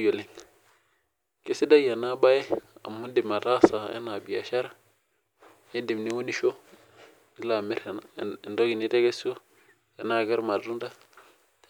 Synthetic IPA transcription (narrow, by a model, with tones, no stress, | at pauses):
jo˨li˨ŋ | ke˦si˦da˦ja˨na˦ba˦je˦a̰˨mu˦ndi˨ma˨ta˦sa˨ḛ˦na˨bi˨ja̰˨ʃa˦ɾa˦ | e˦ndi˨mni˦wu˦ni˦ʃo˦ | i˦la˨mi˦ɾndo˦ɡi˨ni˦te˦ɡe˦so˦ | e˨na˨ɡe˦ɾma˨ɾu˦nda˦